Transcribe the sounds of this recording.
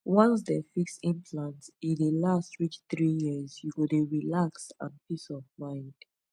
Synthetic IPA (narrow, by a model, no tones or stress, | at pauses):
wɔ̃ns̬dɛfiksĩmpʰlãntĩndəlastɹit͡ʃθɹijizjuɡodeɹilaksã̰npʰisɔvmãɪ̃nd̥